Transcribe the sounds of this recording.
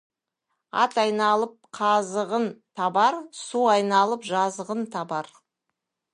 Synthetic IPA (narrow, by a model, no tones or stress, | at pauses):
ɑt̪ɑjnɑlˠəp̚qʰɑzəʁənt̪ʰɑbɑɾsuɑjnɑlˠəpʒɑzəʁənt̪ʰɑbɑɾ